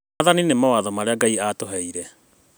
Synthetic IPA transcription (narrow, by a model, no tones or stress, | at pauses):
aðaninemawaðɔmaɾeaɡaiatoɦɛiɾɛ